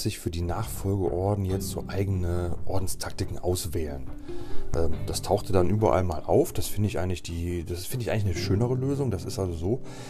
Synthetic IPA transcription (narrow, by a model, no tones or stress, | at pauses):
z̥ɪçfyːɐdiːnaːχfɔlɡəʔɔɐdn̩jɛt͡stz̥o̰ːʔaɪɡənəʔɔɐdn̩stʰak̚tɪkŋ̩ʔa̰ʊsv̥ɛːlənʔɛːmd̥astʰaʊxtədanʔyːbɐ̰ʔa̰lmaːlʔa̰ʊfd̥asfɪndəɪçʔaɪəŋ̩lɪçd̥iːd̥asɪsfɪndəɪçʔaɪŋɪçnəʃøːnəʁ̞əløːzʊŋdasɪstʔalzozoː